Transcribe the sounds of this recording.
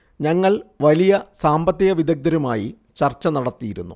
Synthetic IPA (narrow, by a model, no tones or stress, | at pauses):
ɲɐŋːɐɭʋɐlijɐsaːmbɐt̪ːiɣɐʋid̪ɐɡ̚d̪ɐɾumaːji | t͡ɕɐrt͡ɕːɐnɐɽɐt̪ːijiɾunːṵ